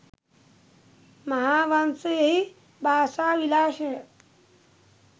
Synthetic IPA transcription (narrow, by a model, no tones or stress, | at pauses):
mɐɦaːʋansəjɐɦi | bʱaːsaːʋilaːʃɐɦe